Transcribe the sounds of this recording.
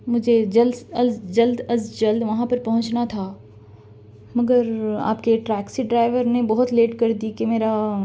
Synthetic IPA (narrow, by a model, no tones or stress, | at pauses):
mʊd͡ʒʱed͡ʒɐlɐld͡ʒɐld̪ɐzd͡ʒɐld̪ʋɐɦãpɐɾpɐɦʊ̃t͡ʃnat̪ʰaː | mɐɡəɾa̰ːpkeʈɾɛːksiɖɾaːɪʋəɾnẽbɔɦʊt̪leːʈkɐɾd̪ikemeːɾa